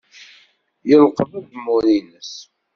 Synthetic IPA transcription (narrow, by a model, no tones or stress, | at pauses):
jəlqəvəd̪mʊɾinəs